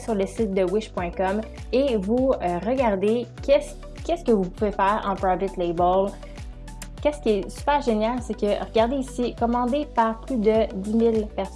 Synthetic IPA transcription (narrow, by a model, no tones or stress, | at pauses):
syʁləsɪt̪̚d̪əwɪʃpwɛ̃kɔm | evuøʁəɡaʁd̪ekʲʰɛs | kʲɛskəvupuvefɛːʁɑ̰̃pɾavɪt̪lɛbəl | kʲɛskʲiɛsy̥pɛːʁʒenjalsɛkəʁəɡaʁd̪eisikɔmɑ̃d̪epaʁplyd̪əd̪imilpɛʁs